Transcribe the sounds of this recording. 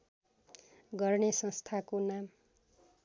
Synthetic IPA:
ɡʌrnesʌ̃st̪ʰakonam

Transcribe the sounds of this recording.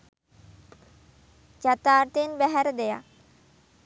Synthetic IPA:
d͡ʒat̪aːʈ̪enbæɦæɾəd̪eja̰

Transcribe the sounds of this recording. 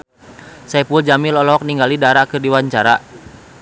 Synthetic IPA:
sɛpuld͡ʒamilɔlɔɦɔk̚niŋɡalidaɾakɨrdiwaɲt͡ʃaɾa̰

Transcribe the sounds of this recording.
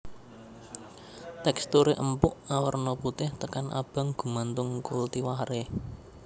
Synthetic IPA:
t̪ɛkst̪uɾeʔəmpʊʔawərnɔput̪ɪht̪əkanʔa̰b̥a̤ŋɡ̥ṳmant̪ʊŋkult̪iwaɦɾe

